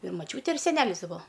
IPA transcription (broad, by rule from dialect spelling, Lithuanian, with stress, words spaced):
ɪr mɐˈt͡ʃʲuːtʲeː ɪr sʲɛˈnʲæːlʲɪs tʲɪ ˈbuɔ